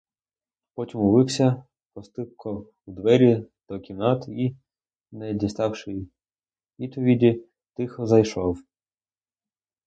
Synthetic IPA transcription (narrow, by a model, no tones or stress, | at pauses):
pɔtʲimʊʋɪwsʲɐ | pɔst̪ɪpkɔw | ud̪ʋɛɾʲid̪̥ɔkʲimnɑt̪i | nɛdʲist̪ɑwʃɪj | ʋʲit̪ɔʋʲidʲi | t̪ɪxɔzɐjʃɔw